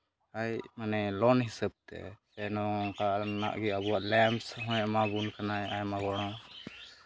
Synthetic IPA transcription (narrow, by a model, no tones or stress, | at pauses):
ajmanɛlɔnɦisəb̚t̪ɛ̰sɛnɔŋkaʔna̰ʔɡɛəbuwaʔlɛmsɦɔ̃ɛ̃ʔmabunkanajajmabɔɽ̃ɔ̃